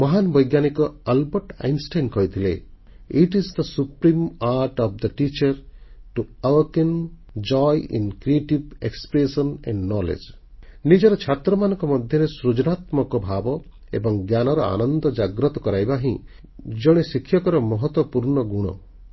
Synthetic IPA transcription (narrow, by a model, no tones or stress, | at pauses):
mɔɦanbɔjɡjanikɔalbɔɾʈa̰jnsʈajnkɔjt̪ʰile | iʈisd̪əsupɾimaɾʈɔp̚d̪əʈit͡ʃɐɾʈuawken | d͡ʒɔjḭnkɾieʈibekspɾesɔnɛ̰̃ɳɖnɔlḛd͡ʒ | nid͡ʒɔɾɔt͡ʃʰat̪ɾɔmanɔŋkɔmɔd̪ʱjɔɾesɾud͡ʒɔnat̪mɔkɔbʱabɔ | ebɔŋɡjanɔɾɔa̰nɔnd̪ɔd͡ʒaɡɾɔt̪ɔkɔɾajbaɦĩ | d͡ʒɔɽ̃esikʰːjɔkɔɾɔmɔɦɔt̪wɔpuɾɳɔɡuɽ̃ɔ̰